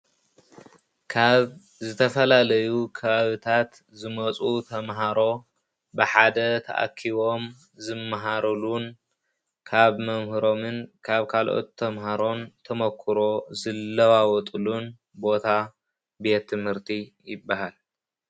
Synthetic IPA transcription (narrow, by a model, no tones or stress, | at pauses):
kʰaβ | zɨt̪ʰɐfɐlalɐjukʰɐβaβɨt̪ʰat̪ | zɨmɐt͡sʼut̪ʰɐmɦaɾo̞ | bɨħad̪ɐt̪ʰɐ̰ʔa̰kʰːiβo̞m | zɨmːaɦaɾɐlun | kʰaβmɐmhɨɾo̞mɨnkʰaβkʰalʔo̞̰t̪ʰːɐmɦaɾo̞nt̪ʰɐmɐkʰːɨɾo̞zɨlːɐwawɔt̪ʼulun | bo̞t̪ʰa | be̞t̪ʰːɨmhɨɾt̪ʰijɪbːaɦal